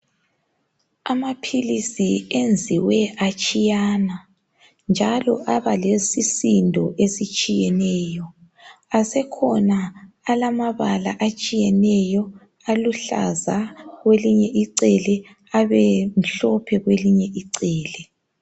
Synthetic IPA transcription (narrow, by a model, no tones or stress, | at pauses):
amapʰilisiend͡zʱiwɛʔat͡ʃʼijaːna | nd͡ʒʱalɔʔaβalesisindʱɔʔesit͡ʃʼijɛnɛːjɔ | asɛkʰɔnaː | lamaβala̰ʔat͡ʃʼijɛnɛjɔ | aluɬa̰zaɣweliɲɛʔiǀɛlɛ | aβɛm̩ɬɔpʰɛɣweliɲɛʔiǀɛːlɛ